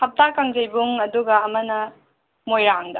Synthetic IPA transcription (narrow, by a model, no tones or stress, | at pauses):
hɐp̚takaŋd͡ʒɐjbuŋɐduɡɐːmɐnɐ | mojɾaŋdɐ